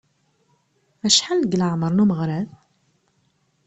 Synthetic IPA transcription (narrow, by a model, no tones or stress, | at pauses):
æʃħalːəɡələʕməɾˤnuməʁɾæð